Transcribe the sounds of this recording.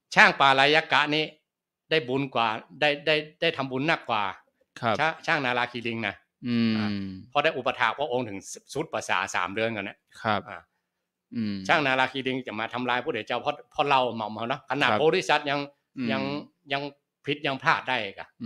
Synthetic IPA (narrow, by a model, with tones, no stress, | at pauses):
t͡ɕʰaː˥˩ŋpaː˨˩laː˧jːaː˧ka˧˩ʔ̪̚niː˧˥˩ | da˥˩jbu˧nkwaː˨˩da˥˩jda˥˩jda˥˩jt̪ʰa˧mbu˧nːa˧˩kːwaː˨˩ | kʰa˥˩t͡ɕʰaː˥˩ŋnaː˧laː˧kʰiː˧li˧ŋna˧ | ʔaː˨˧pʰɔ˧˦da˥˩jʔu˧˩pa˧t̪ʰaː˧˩k̚pʰa˧ʔo˧ŋt̪ʰɯ˨˩˦ŋsu˧˦˥t̪̚pa˧˩sa̰ː˨˩˦sa̰ː˩˦mdɯ˧ənkna˧˥˩kʰa˧p̚ʔa̰ː˧˩˧ | t͡ɕʰaː˥˩ŋnaː˧laː˧kʰiː˧li˧ŋ˧˩t͡ɕa˨˩maː˧t̪ʰa˧mlaː˧jpʰu˧˥˩e˨˦t͡ɕa˧˩wpʰɔ˧pʰɔ˧˥la˧˩wma˨˩wmha˧wnɔ˦˧˦kʰa˧na˧˩bɔː˧li˧˥˩sa˧˦t̪̚ɲa˧ŋ | ɲa˧ŋ | ɲa˧ŋ | pʰi˧˦t̪̚ɲa˧ŋpʰlaː˧˩t̪̚da˥˩jka˧˩